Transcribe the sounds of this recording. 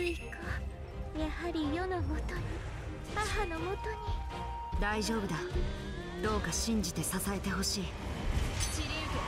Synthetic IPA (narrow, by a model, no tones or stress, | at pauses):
ɨiko | jahaɾʲijo̞namo̞t̪o̞ɲ̟i | haɦano̞mo̞t̪o̞ɲ̟i | d̪aiʑo̞ːbɯ̟d̪a | d̪̥o̞ːkaɕĩɲ̟d͡ʑit̪e̞sasae̞t̪e̞ɦo̞ɕiː | t͡ɕiɾʲe